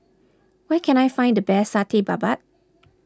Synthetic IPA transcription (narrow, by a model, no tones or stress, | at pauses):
wəkʰɨ̃ñaɪfãɪ̃ndɨbɛsatʰiba̰bat̚